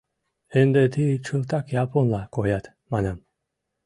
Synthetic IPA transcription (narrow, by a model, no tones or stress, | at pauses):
end̪et̪ʰit͡ʃʰɯlˠt̪ɑkjɑpʰonlˠɑkojɑt̪ | mɑnɑm